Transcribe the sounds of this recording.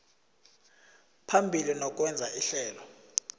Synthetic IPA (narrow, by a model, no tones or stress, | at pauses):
pʰambʱilinɔk̬ʼwɛnd͡zʱaiɬɛːlɔ